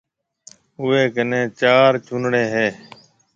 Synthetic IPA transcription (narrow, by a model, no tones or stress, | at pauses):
ʊeːkənẽːt͡ʃaːɾt͡ʃʰʊnɽeːɦeː